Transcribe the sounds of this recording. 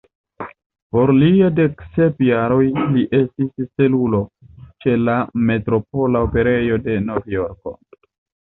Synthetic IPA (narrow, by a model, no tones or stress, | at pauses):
po̞ɾliade̞kse̞pjaɾo̞jliʔe̞stisse̞lulo̞t͡ʃe̞lame̞tɾo̞p̚o̞laope̞ɾe̞jo̞de̞novijo̞ɾko̞̰